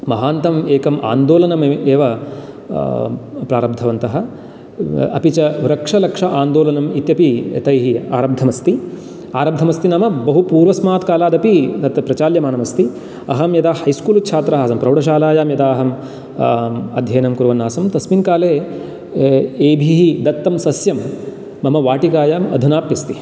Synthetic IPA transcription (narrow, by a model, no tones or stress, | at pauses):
mɐɦaːnt̪ɐmeːkɐmʔa̰ːnd̪oːlɐnɐmeːʋɐ | pɾaːɾɐb̚d̪ʱɐʋɐnt̪ɐɦɐ̆ | ɐ̰pit͡ʃɐʋɾɐkʂɐlɐkʂɐʔaːnd̪oːlɐnɐmit̪jɐpḭt̪ɐjɦia̰ːɾɐb̚d̪ʱːɐmɐst̪i | aːɾɐb̚d̪ʱɐmɐst̪inamɐbɐɦupuːɾʋɐsmaːt̪kaːlaːd̪ɐpit̪ɐt̪ɐpɾɐt͡ʃaːljɐmaːnɐmɐst̪i | ɐ̰ɦɐmjɐd̪aːɐjskuːlut̪t͡ʃʰaːt̪ɾɐɦaːsɐmpɾɐwɽɐʃ̬aːlaːjaːmjɐd̪aːɦɐm | ɐd̪ʱjɐːnɐmkuɾʋɐnːaːsɐmt̪ɐsminkaːleː | eːbʱiɦid̪ɐt̪ːɐmsɐsjɐmː | ɐmɐʋaːʈikaːjaːmɐ̰d̪ʱunaːpjist̪i